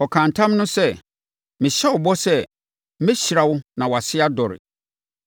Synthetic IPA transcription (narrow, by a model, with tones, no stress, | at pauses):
ɔ˨kʰã˨n̩˨tʰã˦mnʊ̃˦sɛ˦˨ | mɪ̃˨ɕɛ˦wʊ˨bɔ˦sɛ˦ | mɪ̃˦ɕɾa˨wʊ˦nã˨wa˨sɪ˦a˦dɔ˨ɾɪ̰˨